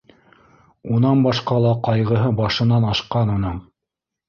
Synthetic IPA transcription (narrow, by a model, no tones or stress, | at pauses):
unɑnbɑʃqɑlˠɑqɑjʁɤ̆ɦɤbɑʃɤ̆nɑnɑʃqɑnunɤɴ